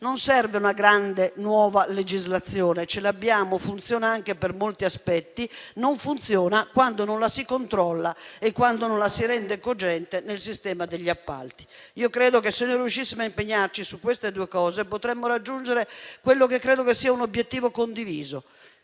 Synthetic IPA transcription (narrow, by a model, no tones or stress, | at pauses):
nonsɛrveunaɡɾand̪enwɔːvaled͡ʒizlat̪sjɔːnet͡ʃelabːjaːmofunt̪sjɔːnaaŋkepɛrmolt̪iaspɛt̪ːinoɱfunt̪sjɔːnakwand̪ononlasikont̪ɾɔlːaɛkːwand̪onõnlasiɾɛnd̪ɛkod͡ʒɛnt̪enelsist̪ɛːmad̪eʎːiapːa̰lt̪i̥ | iːokɾɛːd̪okesːenːorjuʃːisːimoaimpeɲːart͡ʃisukːwest̪ed̪uɛkɔːzepot̪ɾɛmːoɾad͡ʒːund͡ʒeɾekwelːokekːɾɛːd̪okesːiːaunobjet̪ːiːvokond̪iviːzo